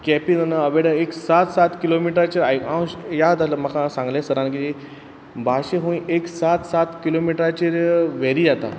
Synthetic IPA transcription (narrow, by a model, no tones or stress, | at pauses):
kɛpinənəəʋeɽəeksat̪sat̪kilomiʈɾat͡ɕeɾajãwjad̪aləmakãsãŋɡlẽsəɾankid͡ʑi | bʱaɕeɦõĩʔeksat̪sat̪kilomiʈɾat͡ɕeɾʋeɾid͡zat̪a̰